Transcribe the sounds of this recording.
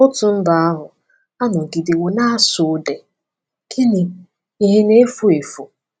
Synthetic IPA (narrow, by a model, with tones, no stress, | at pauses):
ʊ˦tʊ˨n̩˦da˨a˦ɦʊ˨ | a˦nʊ˨ɡi˨dɪ˨wu˨na˦a˦sʊ˨de˨ | kʰi˦ni˨ | i˦ɦe˦ne˦fu˦e˨fu˨